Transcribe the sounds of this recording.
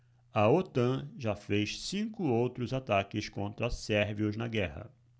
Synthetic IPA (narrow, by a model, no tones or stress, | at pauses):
ɐot̪ɐ̃ʒafejssĩkʊowt̪ɾʊzat̪akɪskõnt̪ɾɐsɛɾviʊznɐɡɛhɐ̰